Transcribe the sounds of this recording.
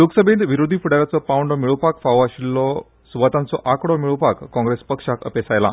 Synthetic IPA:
joksəbʱẽnd̪ʋiɾod̪ʱifuɽaʋjat͡sɔpawɳɖɔmiɭupakfaʋaɕilːɔ | suʋat̪ant͡sɔʔakɽɔmiɭupakːɔ̃ŋɡɾespəkʂakə̰pesajla̰

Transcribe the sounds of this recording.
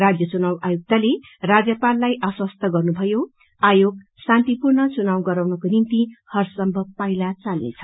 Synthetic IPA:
rad͡zjʌt͡sunawajuk̚t̪ale | rad͡zjʌpalːajʔʌswʌst̪ʰʌɡʌrnubʱʌjo | ajoɡ | sant̪ipurnʌt͡sunawɡʌɾawnʌkonint̪ihʌrsʌmbʱʌbpailat͡salnḛt͡sʰʌ̥

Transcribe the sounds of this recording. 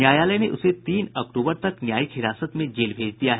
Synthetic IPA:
njaːjaːləjneʔʊset̪iːnɐk̚ʈuːbəɾt̪ɐknjaːjikhɪɾaːsət̪mẽd͡ʒeːlbʱeːd͡ʒd̪ijaɦɛ

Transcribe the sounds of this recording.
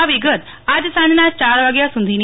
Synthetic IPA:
aʋiɡət̪ | ad͡ʑsãnnat͡ɕaːɾʋaɡjasũnd̪ʱin

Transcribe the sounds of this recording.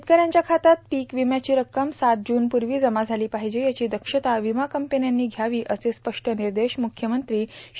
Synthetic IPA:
t̪̚kəɾjãɲt͡ɕjakʰat̪at̪̚piːkʋimjat͡ɕiːɾəkːəmsat̪̚d͡ʑuːnpuɾʋiːd͡zəmad͡zʱaliːpaɦid͡ʑeːjat͡ɕiːd̪əkʂət̪aʋimakəmpenjanːiːɡʱjaʋiːʔəsespəʂʈʰəniɾd̪eɕmukʰjəmənt̪ɾiː

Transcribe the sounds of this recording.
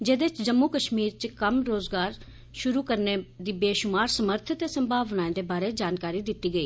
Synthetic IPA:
d͡ʒeːd̪et͡ʃd͡ʒəmːuːkəʃmiːɾt͡ʃkəmɾoːzɡaːɾ | ʃʊɾuːkəɾned̪iːbeːʃʊmaːɾsəməɾt̪ʰət̪eːsəmbʱaːʋnaːẽːd̪eːbaːɾeːd͡ʒaːnkaːɾiːd̪ɪt̪ːiːɡəiː

